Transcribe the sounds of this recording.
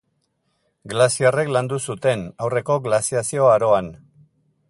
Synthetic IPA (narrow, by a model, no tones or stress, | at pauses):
ɡlasiare̞kland̪usut̪e̞nawre̞ko̞ɣlasiasio̞aɾo̞an